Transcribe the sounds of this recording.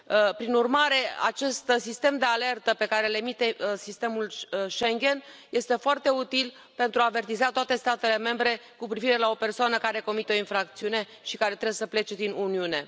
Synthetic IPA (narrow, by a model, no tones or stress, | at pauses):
pɾinurmaɾe̞a̰t͡ʃe̞st̪sist̪e̞md̪e̞ale̞rt̪əpe̞kaɾele̞mit̪e̞sist̪e̞mulʃeŋɡʲe̞nje̞st̪e̞foart̪e̞ut̪il | pe̞nt̪ɾuaːve̞rt̪izat̪oat̪e̞st̪at̪e̞le̞me̞mbɾe̞kupɾiviɾe̞lao̞pe̞rsoanəkaɾe̞ko̞mit̪eoinfɾak̚t̪siune̞ | ʃikaɾe̞t̪ɾebsəple̞t͡ʃe̞d̪inuniune̞